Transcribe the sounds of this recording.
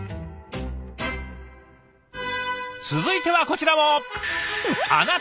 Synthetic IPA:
t͡sɨzɨit̪e̞βako̞t͡ɕiɾamo̞ | a̰na

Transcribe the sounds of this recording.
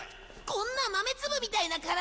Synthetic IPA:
kõ̞nːamame̞t͡sɨbɯ̟mʲit̪ainakaɾa

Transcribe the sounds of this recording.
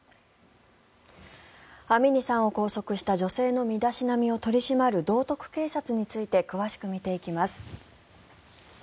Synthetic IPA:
amʲiɲ̟isãɰ̃o̞ko̞ːso̞kɯ̟ɕi̥t̪aʑo̞se̞ːno̞mʲid̪aɕinamʲio̞t̪o̞ɾʲiɕimaɾɯ̟d̪o̞ːt̪o̞kɯ̟̥ke̞ːsat͡sɨɲ̟it͡sɨit̪e̞kɯ̟βaɕi̥kɯ̟mʲit̪e̞ikʲimasɨ̥

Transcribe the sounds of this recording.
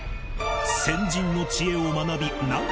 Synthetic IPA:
sẽ̞ɲd͡ʑĩnːo̞t͡ɕie̞omanabʲina

